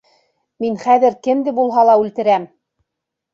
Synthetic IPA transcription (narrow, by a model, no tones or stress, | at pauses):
minχæðɘ̆ɾkɘ̆md̪ɘbulˠɦɑlˠɑʉlt̪ɘ̆ɾæm